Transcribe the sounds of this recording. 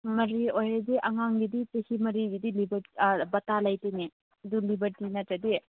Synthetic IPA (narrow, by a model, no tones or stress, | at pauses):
mɐɾiojɾɐdiʔɐŋaŋɡiditɐhimɐɾiɡidilibɐɾbɐtalajtini | ɐdulibɐɾtinɐtɾɐdi